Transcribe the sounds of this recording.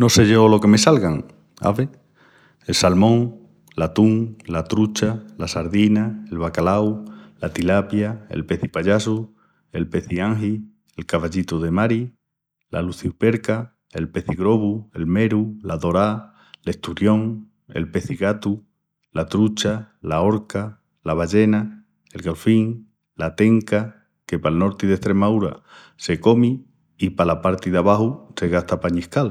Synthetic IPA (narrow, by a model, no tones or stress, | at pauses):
no̞se̞ʝolo̞ke̞me̞salɣaŋ | a̰βe | elsalmõ̞ŋ | lat̪uŋlat̪ɾut͡ʃalasaɾðinae̞lβakalawlat̪ilapjae̞̰lpe̞θipaʎasu | e̞lpe̞θiaŋɦi | elkaβaʎit̪uðe̞maɾi | la̰luθiupe̞ɾka | e̞lpe̞θiɣɾo̞βue̞lme̞ɾulaðo̞ɾa | le̞ht̪uɾjo̞ŋ | e̞̰lpe̞θiɣat̪u | lat̪ɾut͡ʃa | lao̞ɾka | laβaʝe̞na | e̞lɣalfiŋ | lat̪e̞ŋka | ke̞palno̞ɾt̪iðeht̪ɾe̞mauɾa̰ | se̞ko̞mi | ipalapaɾt̪iðaβahuse̞ɣaht̪apaɲihkal